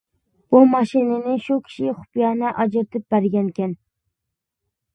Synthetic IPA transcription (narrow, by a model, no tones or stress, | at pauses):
b̥umɑʃɪnɪnɪʃʊkʲʰɪ̥ʃɪχʊ̥pjɑnaʔɑd͡ʒɪɾt̪ʰɪp̚b̥æɾɡʲankʲan